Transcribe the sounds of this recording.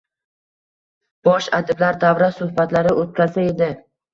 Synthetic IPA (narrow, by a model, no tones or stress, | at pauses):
b̥ɒʃad̪ɪblaɾd̪avɾasʊhbat̪laɾɪʔot̪̚kʲazae̞d̪ɪ